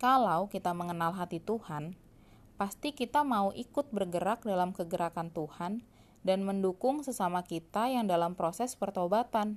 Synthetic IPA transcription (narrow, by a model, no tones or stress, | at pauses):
kalawkit̪aməŋənalɦat̪it̪uhan | past̪ikit̪amauʔikʊt̪̚bərɡəɾak̚dalamkəɡəɾakant̪uhan | danməndukʊŋsəsamakit̪ajaŋdalampɾosɛspərt̪obat̪an